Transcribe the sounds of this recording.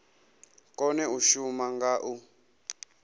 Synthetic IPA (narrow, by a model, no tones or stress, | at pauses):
kʼɔnɛuʃumaŋɡaːʔu